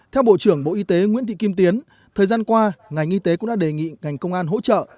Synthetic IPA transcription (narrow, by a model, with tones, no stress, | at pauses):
t̪ʰɛ˧wɓo̰˧˨t͡ɕɨ˧˩əŋɓo̰˧˨ʔi˧t̪e˨˦ŋwḭ˧˥ət̪ḭ˧˨ki˧mt̪i˨˦ən | t̪ʰəː˨˩jzaː˧nkwaː˧ŋa˨˩jŋʔi˧t̪e˨˦kʊ̰˧˥ŋ͡mɗa̰ː˧˥ɗe˨˩ŋḭ˧˨ŋa˨˩jŋ̟kə˧wŋ͡mʔaː˧nɦo̰˧˥t͡ɕə̰ː˧˨